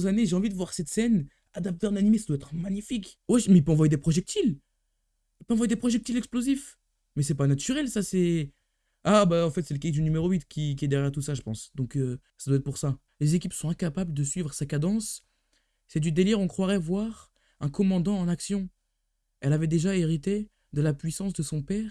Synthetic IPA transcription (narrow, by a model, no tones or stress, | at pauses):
zaneʒeɑ̃vid̪əvwaʁsɛt̪sɛn | ad̪ap̚t̪eʁɛ̃nanimesad̪waɛt̪χəmaɲifikwɛʒmɛilpøɑ̃vwajed̪epχɔʒɛk̚t̪ʰil | ilpøɑ̃vwajed̪epχɔʒɛk̚t̪ilɛksplozif | mɛsɛpanat̪yʁɛlsasɛ | abaɑ̃fɛt̪sɛləkakd̪ynymeʁoɥit̪kʲikʲiɛd̪eʁjɛʁt̪usaʒəpɑ̃sd̪ɔ̃kø | sad̪waɛt̪χpuʁsa | lezekʲipsɔ̃ɛ̃kapabld̪əsɥivʁəsakad̪ɑ̃s | sɛd̪yd̪eliʁɔ̃kχwaʁɛvwaʁ | ɛ̃kɔmɑ̃d̪ɑ̃ːnaksjɔ̃ | ɛlavɛd̪eʒaeʁit̪e | d̪əlapɥisɑ̃s̬d̪əsɔ̃pɛːʁ